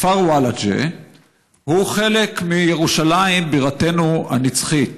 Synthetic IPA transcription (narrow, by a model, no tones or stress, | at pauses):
faʁwalad͡ʒḛ | huχe̞le̞kmijeʁuʃalaimbiʁate̞nuha̰nit͡sχit̪